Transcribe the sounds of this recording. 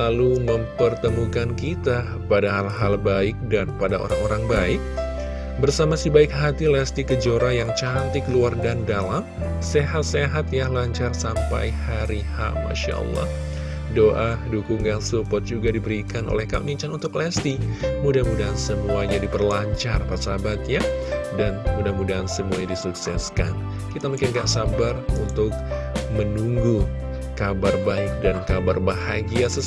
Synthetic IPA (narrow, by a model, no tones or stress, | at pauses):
laluməmpərt̪əmukankit̪a | padaɦalɦalbaɪk̚danpadaʔo̰ɾaŋoɾaŋbaɪk̚ | bərsamasibaɪk̚ɦat̪ilɛst̪ikəd͡ʒoɾajaŋt͡ʃant̪ɪkəluardandalam | seɦat̪̚seɦat̪̚jahlaɲt͡ʃarsampa̰jhaɾiha̰ma̰ʃa̰ʔə̰lˠːɑ̰h | doʔadukuŋaŋsupɔt̪̚d͡ʒuɡadibəɾikanʔo̰lɛhkamiɲt͡ʃanunt̪ʊklɛst̪imudahmudaɦansəmuaɲadipərlaɲt͡ʃarpasabat̪̚jadanmudamudaɦansəmua̰ɲadisuksɛska̰n | kit̪amuŋkɪnɡaʔsabarunt̪ʊk̚ | mənuŋɡu | kabarbaɪk̚dankabarbahaɡiasə